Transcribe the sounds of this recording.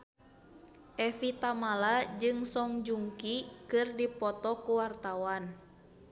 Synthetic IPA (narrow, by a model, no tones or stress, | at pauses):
ʔɛfit̪amalad͡ʒɨŋsɔŋd͡ʒuŋkikɨrdipɔt̪ɔkuwart̪awan